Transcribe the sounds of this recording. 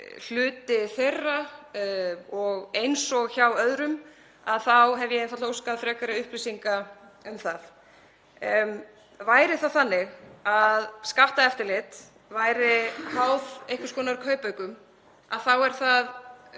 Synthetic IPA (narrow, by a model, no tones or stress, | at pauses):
l̥ʏːt̪ɪθejrːa | ɔɣejnsɔɣçawœðɾʏm | aðθawɦɛvjɛejnfaowskaðfɾɛːkaɾaʏhplisiŋka | ʏmθað | vaːjɾɪθawθanːɪɣaðskaht̪aɛft̪ɪɾlɪt̪ | vaːjɾɪhawðejhkvʏ̥skɔːnaɾɪɾkʰœːɥpœɥkʏm | aðθawɛɾ̥θað